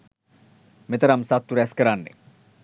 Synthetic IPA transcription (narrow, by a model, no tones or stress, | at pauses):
met̪ɐɾamsat̪ːuɾɛskəɾanːḛ